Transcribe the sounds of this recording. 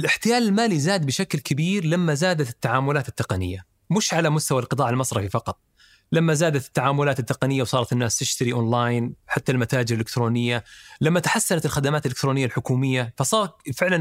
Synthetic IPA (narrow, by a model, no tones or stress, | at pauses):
ʔɪlʔɪħt̪ɪjaːlɪlmaːlizaːd̪̚bɪʃaklkabiːɾlamːazaːd̪at̪ɪt̪ːaʕaːmʊlaːt̪ɪt̪ːɪqɑnɪ̰jːa | mɪʃʕalamʊst̪awalqɨt̪ˤɑːʕɪlmɑsˤɾˤɑfifɑqɑt̪ˤ | lamːazaːd̪at̪ɪ̥t̪ːaʕaːmʊlaːt̪ɪt̪ːɪqɑnɪjːawsˤɑːɾˤɑt̪ɪnːaːst̪ɪʃt̪aɾiʔonlaːjnħat̪ːalmat̪aːd͡ʒɪɾʔɪlɪkt̪ɾoːnɪjːalamːat̪ḁħasːanat̪ɪlxad̪amaːt̪ʔɪlɪkt̪ɾoːnɪjːalħʊkuːmɪjːafɑsˤɑːɾˤfɪʕlan